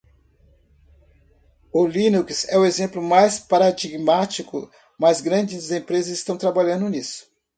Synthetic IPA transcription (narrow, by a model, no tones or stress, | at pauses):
ʊlĩnuksɛʊezẽmplʊmajspaɾad͡ʒiɡmat͡ʃikʊ̰ | mazɡɾɐ̃d͡ʒɪzzẽpɾezɐzɪst̪ɐ̃w̃t̪ɾabalʎɐ̃nd̪ʊnisʊ̥